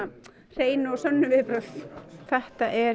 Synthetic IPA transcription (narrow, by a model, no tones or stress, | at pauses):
r̥eːjnʏɔsœnːʏvɪpɾœθθɛht̪aʔɛ